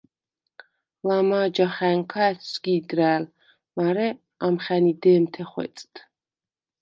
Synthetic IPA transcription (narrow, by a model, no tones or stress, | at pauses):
lamaːd͡ʒaχɛŋkʰaɛtʰsɡiːd̪ɾæːl | maɾɛ | amχɛnid̪ɛːmt̪ʰɛχwɛ̰t͡s̪ʼt̪ʰʼ